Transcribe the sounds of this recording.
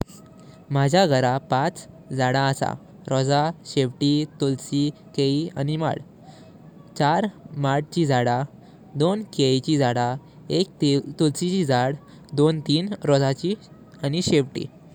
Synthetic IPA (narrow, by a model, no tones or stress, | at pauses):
m̤ad͡ʑʱaɡʱəɾapat͡s | d͡zaɽaəsa̰ | ɾɔd͡zaɕeʋʈit̪olsikeia̰nima̰ɽ | t͡ɕaɾmaɽt͡ɕid͡zʱaɽa | d̪onkejt͡ɕid͡zaɽa | ek̚t̪t̪olsit͡ɕid͡zaɽ | d̪ont̪iːnɾɔd͡zat͡ɕi | aniɕeʋʈḭː